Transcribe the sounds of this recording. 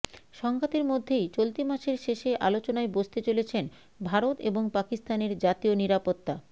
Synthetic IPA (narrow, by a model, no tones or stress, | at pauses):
ʃɔŋɡʱat̪eɾmod̪ʱːejt͡ɕolt̪imaʃeɾʃeʃeʔa̰lot͡ɕonaebost̪et͡ɕolet͡ɕʰen | bʱaɾot̪eboŋpakist̪aneɾd͡ʑat̪ioniɾapot̪ːa